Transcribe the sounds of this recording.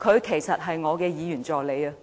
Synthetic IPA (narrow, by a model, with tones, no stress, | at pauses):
kʰɵ˨˧ɥkʰe˨˩jsɐ˨t̚ɦɐ˨jŋɔː˨˧kɛː˧jiː˨˧jyː˨˩nt͡sɔː˨k̚le˨˧jɐ˧